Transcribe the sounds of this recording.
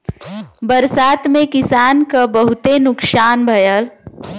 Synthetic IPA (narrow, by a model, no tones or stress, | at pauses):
bəɾsaːt̪mẽkɪsaːnkabəɦʊt̪enʊksaːnbʱɐjəl